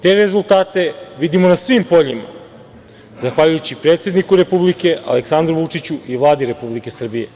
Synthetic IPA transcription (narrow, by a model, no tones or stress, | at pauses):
t̪e̞ɾe̞zulˠt̪aːt̪e̞ʋid̪imo̞nasʋimpo̞ʎima̰ | zaxʋaʎujut͡ɕipɾet̪se̞d̪nikuɾe̞publike̞ʔa̰leksand̪ɾuʋut͡ʂit͡ɕuiʋlˠaːd̪iɾe̞publike̞sr̩bije̞̰